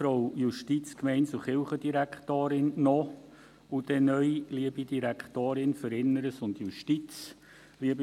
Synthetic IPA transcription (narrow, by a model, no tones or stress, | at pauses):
fɾoʊjuʃtit͡skmɛɪntsuχɪlχədiɾækχtoːɾɪnːɔ | ud̥ɛnœʏliəbid̥iɾækχtoːɾɪnfəɾɪnːəɾəsʊndjuʃtit͡s | liəbi